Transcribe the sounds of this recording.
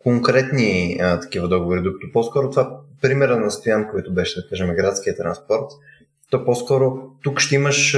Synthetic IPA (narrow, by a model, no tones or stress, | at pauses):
koŋkɾɛt̪niət̪ɐ̥k̟ivɐd̪ɔɡovoɾid̪ɾukə̥t̪ʊpɔskɔɾʊt̪ovapɾimɛɾənɐst̪ojankoɔit̪ʊbɛʃɛd̪ɐkaʒɛmɛɡɾat̪skiət̪ɾɐ̰nspɔɾt̪ | t̪ɔpɔskɔɾʊt̪ukʃt̪ɛiməʃ